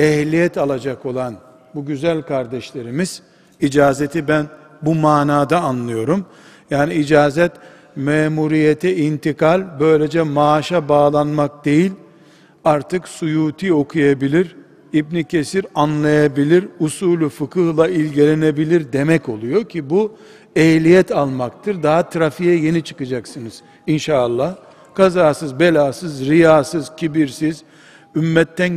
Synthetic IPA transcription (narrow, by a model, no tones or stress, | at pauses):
ɛhlʲijɛt̪ʰalˠad͡ʒako̞lˠan | buɟyzælʲkʰaɾd̪ɛʃlʲe̞ɾimiz̥ | id͡ʒaːze̞t̪ʰibæn | bumaːnaːd̪aːnlˠɯjo̞ɾum | jaːniid͡ʒaːzɛt̪ | meːmuɾijet̪ʰiint̪ikʰalʲbø̞jlʲe̞d͡ʒɛmaːʃabaːlˠanmak̚d̪e̞jilʲ | aɾt̪ʰɯksujuːt̪ʰio̞kʰujabilʲiɾ | ibnicʰe̞siɾanlˠajabilʲiɾusuːlʲufɯkʰɯhlˠailʲɟelʲenebilʲiɾd̪e̞mɛco̞lˠujo̞cʰibu | ɛjlʲijɛt̪ʰalˠmakt̪ʰɯɾd̪aɦat̪ʰɾafijɛje̞nit͡ʃʰɯ̥kɯd͡ʒaksɯnɯz̥ | inʃaːlˠːah | kʰazaːsɯzbe̞lʲaːsɯzɾijaːsɯzcʰibiɾsiz̥ | ymːɛt̪ʰːæn